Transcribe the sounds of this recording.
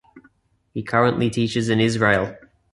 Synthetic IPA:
hikʰʌɹə̃nʔlitʰiˑt͡ʃɪzɪ̃nɪzɹeɪlˠ

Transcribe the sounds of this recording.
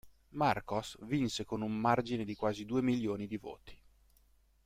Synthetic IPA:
markosvinsekonummard͡ʒined̪ikwaːzid̪uːemiljoːnid̪ivo̰ːt̪i̥

